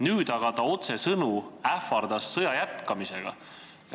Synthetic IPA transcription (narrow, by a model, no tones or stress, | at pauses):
nyːd̪ɑɡ̥ɑt̪ɑo̞t̪se̞sɤnuæfɑrd̪̥ɑsːɤjɑjæt̪kɑmise̞ɡ̥ɑ̰